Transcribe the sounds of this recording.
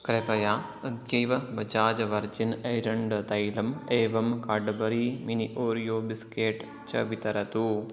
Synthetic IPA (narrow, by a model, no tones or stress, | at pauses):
kɾepɐjaː | ɐd̪jɐjʋɐbɐd͡ʒaːd͡ʒɐʋɐɾd͡ʒinɐjɾɐɳɖt̪ɐjlɐmeːʋɐmkaːɖbɐɾiːminiʔoːɾijoːbiskeːʈ | t͡ʃɐ̰ʋit̪ɐɾɐt̪u